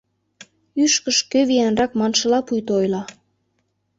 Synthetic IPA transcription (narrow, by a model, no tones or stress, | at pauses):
yʃkəʃkøβijænrɑkmɑnʃəlɑpujt̪oojlɑ